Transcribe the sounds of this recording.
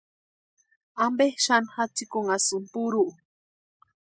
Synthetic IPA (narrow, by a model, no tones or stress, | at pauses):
ambehʃanxat͡sikuŋasumpuɾuʔ